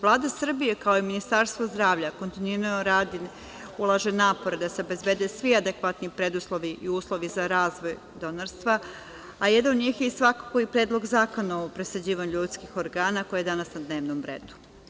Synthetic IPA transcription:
ʋlˠaːd̪asr̩bijekao̞iminist̪aɾst̪ʋozd̪ɾaːʋʎakont̪ininooɾaːd̪in | ulˠaʒenaːpo̞ɾed̪aseo̞be̞zbe̞ːd̪esʋiad̪ekʋat̪nipɾe̞d̪uslˠo̞ʋiʔiuːslˠo̞ʋizaɾaːzʋo̞j | d̪o̞naɾst̪ʋa | aje̞d̪anod̪ɲiːxjeisʋako̥koipɾeːd̪lˠo̞ɡzaːko̞noopɾesed͡ʑiːʋaɲuʎuːt̪skixo̞ɾɡaːnako̞jjed̪anasnad̪ne̞ːʋnomɾḛːd̪u̥

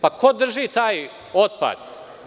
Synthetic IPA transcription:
pakʰod̪r̩ʒit̪aːj | ot̪̚pa̰d̪̥

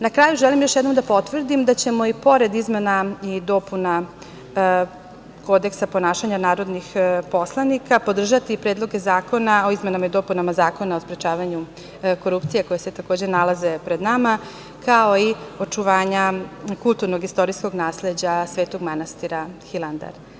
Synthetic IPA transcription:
nakɾaːjuʒɛlimjo̞ʃjɛd̪nomd̪apo̞t̪ʋr̩d̪imd̪at͡ɕe̞mo̞ipo̞ɾe̞d̪izme̞naid̪o̞puna | ko̞d̪e̞ksaponaːʃaɲanaːɾo̞d̪nixpo̞slˠanikapo̞d̪r̩ʒat̪ipɾeːd̪lˠo̞ɡe̞zaːko̞nao̞izmenamaid̪o̞punamazaːko̞nao̞spɾet͡ʃaːʋaɲu | ko̞ɾupt̪sijeko̞jeset̪ako̞ːd͡ʑenalˠaze̞pɾe̞d̪nama | kʰao̞io̞t͡ʃuʋaːɲakulˠt̪uɾnoɡist̪o̞ɾijsko̞ɡnaːsle̞d͡ʑasʋeːt̪o̞ɡmanast̪iɾaxilˠand̪a̰ɾ

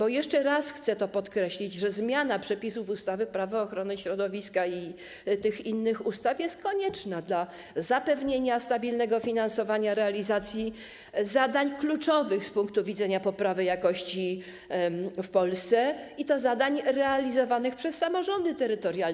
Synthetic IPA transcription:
b̥ɔjɛʂt͡ʂɛɾasxt̪sɛt̪ɔpɔt̪kɾɛɕlʲid͡ʑʐɛzmʲjanapʂɛpʲisuvust̪avɘpɾavaɔːxɾɔnɘɕɾɔd̪ɔvʲiskai | t̪ɘxinːɘxust̪afjɛst̪̚kɔɲɛt͡ʂnad̪la | zapɛvɲeɲast̪abʲilnɛɡɔfʲinansɔvaɲaɾɛalʲizat̪sʲji | zad̪aɲklut͡ʂɔvɘxspuŋkt̪uvʲidzɛɲapɔpɾavɘjakɔɕt͡ɕi | fpɔlst̪sɛit̪ɔzad̪aɲɾɛalʲizɔvanɘxpʂɛsːamɔʐɔnd̪ɘt̪ɛɾɘt̪ɔɾja

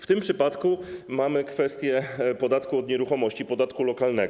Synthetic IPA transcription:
ft̪ɘmpʂɘpat̪kumamɘkfɛst̪ʲjɛpɔd̪at̪kuɔd̪ɲɛɾuxɔmɔɕt͡ɕipɔd̪at̪kulɔkalnɛɡ

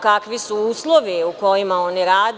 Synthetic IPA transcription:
kakʋisuuːslˠoʋiuko̞jimao̞niɾaːd̪

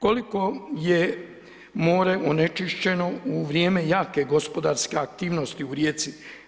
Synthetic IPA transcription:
ko̞liko̞je | moːɾeʔone̞t͡ʃiʃt͡ɕe̞no̞uʋɾjeːme̞jaːke̞ɡo̞spo̞d̪aɾske̞akt̪iːʋno̞st̪iuɾjeːt̪si

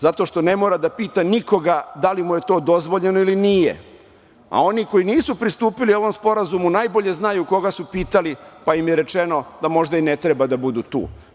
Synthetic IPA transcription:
zat̪o̞ʃt̪o̞ne̞moɾad̪apiːt̪aniko̞ɡad̪alimuje̞t̪o̞ːd̪o̞zʋoʎenoilinijḛ | a̰o̞niko̞iniːsupɾist̪uːpilio̞ʋo̞mspo̞ɾazumunajbo̞ʎe̞znajuko̞ɡasupiːt̪alipaimjeɾe̞t͡ʃeno̞d̪amo̞ʒd̪ainet̪ɾebad̪abud̪ut̪ṵː

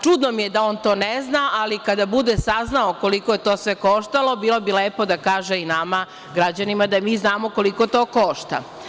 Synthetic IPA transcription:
t͡ʃud̪nomijed̪aoːnt̪o̞ːneznaʔalikad̪abud̪esaznaoko̞likoje̞t̪oːsʋe̞ko̞ʃt̪alo̞biːlo̞bileːpo̞d̪akaːʒeinama | ɡɾad͡ʑanimad̪amiːznaːmoko̞liko̞t̪oːkoʃt̪a̰

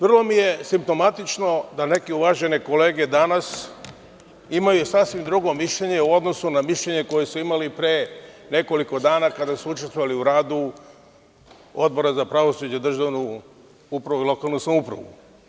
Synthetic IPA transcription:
ʋr̩lˠo̞mije̞simpt̪o̞mat̪it͡ʃno̞d̪ane̞kiuʋaʒe̞neko̞le̞ːɡe̞d̪anas | imajusasʋimd̪ɾuɡo̞miʃʎe̞ɲe̞uo̞d̪no̞sunamiʃʎe̞ɲe̞ko̞jesuimalipɾene̞ko̞liko̞d̪aːnakad̪asuut͡ʃest̪ʋoʋaliuɾaːd̪u | o̞d̪̚bo̞ɾazapɾaʋo̞sud͡ʑed̪r̩ʒaʋnu | upɾaʋuilo̞kaːlˠnusamupɾa̰ʋṵ

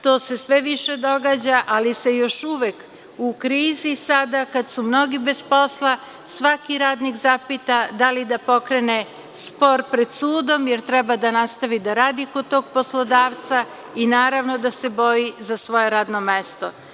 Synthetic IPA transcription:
t̪oːse̞sʋeʋiʃe̞d̪o̞ɡaːd͡ʑaʔalise̞jo̞ʃuʋek | ukɾiːzisad̪akad̪sumno̞ɡibezpo̞slˠa | sʋakiɾaːd̪nikzapit̪ad̪alid̪apo̞kɾene | spo̞ɾpɾe̞d̪suːd̪o̞mjeɾt̪ɾɛbad̪anast̪aʋid̪aɾaːd̪ikod̪̚t̪o̞ːɡ̚po̞slˠo̞d̪aːʋt̪sa | inaːɾaʋnod̪ase̞bo̞jizasʋo̞je̞ɾaːd̪no̞mest̪o̞̰

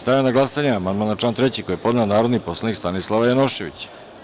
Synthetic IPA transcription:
st̪ajanaɡlasaɲeamand̪manat͡ʃlaːnt̪ɾet͡ɕikojepo̞d̪neonaːɾo̞d̪nipo̞slˠanikst̪anislˠaʋajanoʃe̞ʋḭt͡ɕ

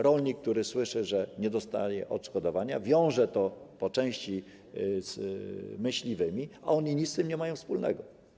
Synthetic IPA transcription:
ɾɔlɲikːt̪uɾɘswɘʂɘʐɛɲɛd̪ɔst̪a̰jɛ̰ʔɔt̪ʂkɔd̪ɔvaɲavʲjɔ̃w̃ʐɛt̪ɔpɔt͡ʂɛ̃w̃ɕt͡ɕi | z̥mɘɕlʲivɘmʲiʔa̰ɔɲiɲit̪st̪ɘmɲɛmajɔ̃w̃fspulnɛ̰ɡɔ

